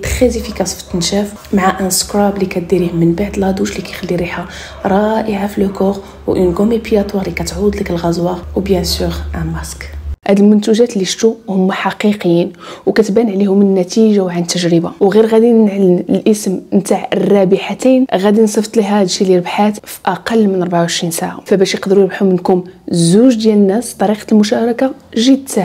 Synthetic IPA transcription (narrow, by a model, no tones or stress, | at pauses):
t̪əxəzifikæsˤft̪nʃæf | maʕaʔæskɾɑblikæt̪̚d̪iɾihmːənbaʕd̪əlhæd̪uʃlikæjxælːiɾiħa | ɾˤɑʔəʕafilʊkoɣ | wʔənɡumipjɑt̪ˤwɑɾlikæt̪ʕud̪ˤləkəlɣɑzwɑwbjæsyɣʔamæskhæd̪əlmʊnt̪uʒæt̪lːiʃt̪uhʊmːaħɑqiqjinwkæt̪bæniʕlihʊmənːæt̪iʒawʕant̪ːəʒɾəbawɣiɾɣæd̪inʕalənəlʔəsmmt̪aʕərˤːɑbəħat̪inɣæd̪insˤəft̪ˤliɦæd̪ʃiliɾəbħat̪fi̥ʔɑqɑlːmənʔɑɾˤbʕawʕəʃɾinsaʕa̰fæbæʃjəqd̪əɾujɾbħumənkʊmzuʒd̪jælənːæst̪ːˤɑɾiqɑ̥lmʊʃæɾˤɑkaʒəd̪a